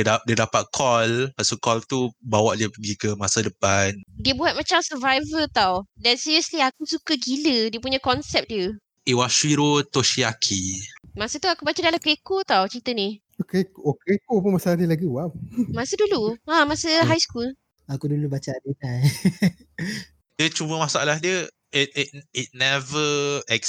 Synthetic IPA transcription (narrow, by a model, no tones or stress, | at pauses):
adiədapat̪̚kʰɔlpasokɔlt̪ubawaʔdiəpəɡikəmasadəpandiəbuɦat̪̚mat͡ʃamsəvajvət̪awdɛnsiɾəsliakusukəɡilədiəp̬uɲakɔnsɛp̚diə | ewaʃwiɾot̪oʃiakʰimasət̪uakubat͡ʃadalamkɾekot̪awt͡ʃɾit̪əni | okekokekopʊnmasalahnilaɡiwawmasəduluãmasəɦajskul | akudulubat͡ʃadət̪an | diət͡ʃubəmasaa̰lahdiə | it̚it̚it̚nɛvəɛk